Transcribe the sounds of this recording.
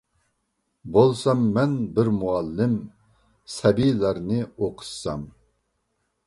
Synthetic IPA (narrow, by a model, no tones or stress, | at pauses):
bolˠsɑmːɛnbɪɾmuɑlːɪm | sɛbilæɾnɪoqʰɨ̥ʃsɑm